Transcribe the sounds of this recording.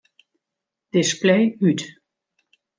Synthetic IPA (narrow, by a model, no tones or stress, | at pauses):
d̥ɪsplɛjyt